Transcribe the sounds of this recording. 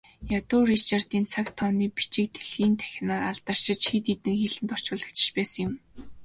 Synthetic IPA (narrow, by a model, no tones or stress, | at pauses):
jat̪ʊːrit͡ɕar̥t̪iːnt͡sʰakt̪ʰɔːniːpi̥t͡ɕɪ̆k̚t̪ʰeɮɣiːnt̪ʰæ̥x̆ʲnaːaɮt̪ə̆r̥ʃɪ̆t͡ɕxit̪it̪ɘ̆ŋxeɮɘ̆nt̪ɔr̥t͡ɕʊːɮə̆kt͡ɕɪ̥̆t͡ɕpæːsə̆ŋjʊm